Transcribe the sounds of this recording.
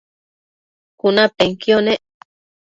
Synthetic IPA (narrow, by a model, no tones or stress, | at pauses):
kunapeŋkjoneʔ